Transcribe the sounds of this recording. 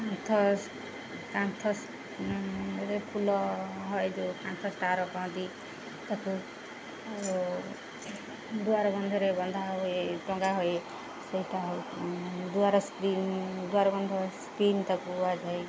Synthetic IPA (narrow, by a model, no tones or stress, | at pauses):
kãnt̪ʰɔ | kãnt̪ʰɔs | ɾepʰulɔɦɔed͡ʒokãnt̪ʰɔsʈaɾɔkɔɦɔ̃t̪i | t̪ɔku | o | d̪uaɾɔbʌnd̪ʱɔɾebʌnd̪ʱaɦoeʈɔŋɡaɦoe | seit̪aɦ | d̪uaɾɔskɾind̪uaɾɔbʌnd̪ʱɔskɾint̪ɔkuad͡ʒae